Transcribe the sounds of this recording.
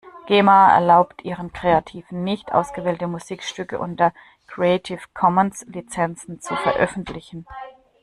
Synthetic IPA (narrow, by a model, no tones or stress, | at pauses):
ɡ̥eːmaɛ̰ɐlaʊptʰʔiːʁənkʁ̥eatʰiːvn̩nɪçtʔa̰ʊsɡ̥əvɛːltəmuziːkʃtʏkə̰ʔʊ̰ntɐ | kʁ̥eɛtʰɪfkʰɔmənslit͡sɛnt͡sn̩t͡sufɛɐʔœ̰fn̩tlɪçn̩